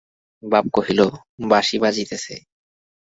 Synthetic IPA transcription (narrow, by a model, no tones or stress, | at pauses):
bab̚koɦilo | baʃibad͡ʑit̪esʰḛ